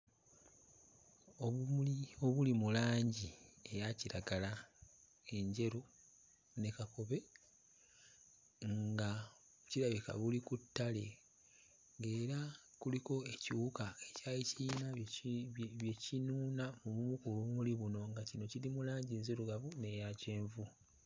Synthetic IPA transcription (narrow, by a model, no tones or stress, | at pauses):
oio̞βulimulaːɲɟie̞jaciɾaɡala | e̞ɲɟe̞ɾo | ne̞kakoβe̞ | ŋɡaoβuciɾaβika̰βulikutːale̞ | ŋɡe̞ːɾakuliko̞e̞cuːkae̞caiciːna | βje̞cinuːnamuβumukuloβumuliβuno̞ŋɡacino̞cilimulaːɲɟiɲzeɾuɡaβune̞jace̞ːɱvu